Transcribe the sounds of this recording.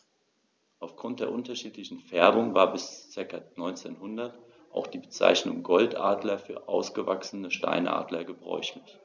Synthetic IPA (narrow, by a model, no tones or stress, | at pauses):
ʔaʊfɡ̥ʁʊnt̚d̥eːɐʔʊntɐʃiːtlɪçn̩fɛɐbʊŋvaːɐbɪst͡sɪɐkɐnɔʏnt͡sḛːnhʊndɐt | ʔa̰ʊxd̥iːbət͡sa̰ɪçnʊ̰ŋɡɔltʔa̰ːdlɐfyːɐʔa̰ʊsɡ̥əva̰ksənəʃta̰ɪnʔa̰ːdlɐɡəbʁɔ̰ʏçlɪç